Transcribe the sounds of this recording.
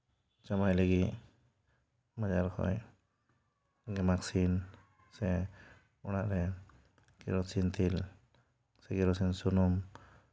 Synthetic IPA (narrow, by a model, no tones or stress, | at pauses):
t͡ʃamajləɡiʔ | mad͡ʒaɾkʰɔ̰j | ɡɛmaksin | sɛ | ɔnaʔɾɛ | ɡ̥ɛ̰ɾɔsint̪ʰil | sɛɡɛɾɔsinsunɔm